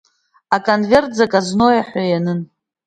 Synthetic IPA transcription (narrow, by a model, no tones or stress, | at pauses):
akʼonve̞rd͡zakʼaznojaħʷajanɨn